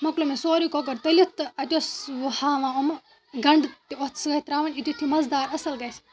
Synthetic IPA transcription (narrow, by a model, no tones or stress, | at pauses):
mɐklomesoːɾiːkoɡɐɾt̪ɐlit̪ɐt̪ʲoshãːʋãːom | ɡɐɳɖt̪iot̪sɨɡɐt̪ɾaːʋɐnʲit̪ut̪ʰːimɐzd̪aːɾɐsɐlɡɐjs